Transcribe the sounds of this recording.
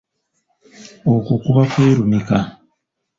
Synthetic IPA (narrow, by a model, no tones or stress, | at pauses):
okukuβakweːɾumika